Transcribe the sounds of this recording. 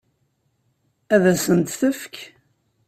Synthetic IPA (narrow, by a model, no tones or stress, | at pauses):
æðæsənt̪θəfk